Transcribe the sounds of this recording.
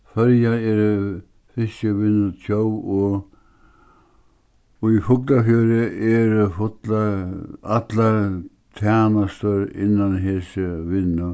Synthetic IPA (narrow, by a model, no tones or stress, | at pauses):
fœɾjaɛɾ | fɪst͡ʃəʋɪnːʏt̪ʰjowɔ | ɔifʊklafjœːɾɪɛɾfʊt̪laat̪la | t̪ʰaːnast̪əɾɪ̰nːanɦɛsəʋɪnːʏ